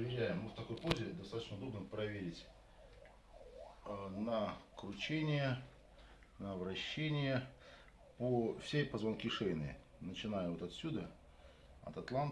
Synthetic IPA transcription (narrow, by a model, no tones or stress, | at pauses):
pəvʲɪɾʲæjɪmːɨft̪ɐko̞jpozʲɪd̪ɐst̪at̪ət͡ɕnʊd̪o̞bnəpɾɐvʲeɾʲɪtʲ | nəkɾʊt͡ɕenʲɪjə | nəvɾɐɕːenʲɪjə | pofsʲepəzvɐnkʲiʂejnɨ̰ | nət͡ɕɪnajʊvot̪ɐt̪sʲud̪ə | ɐ̰t̪ɐt̪lˠant̪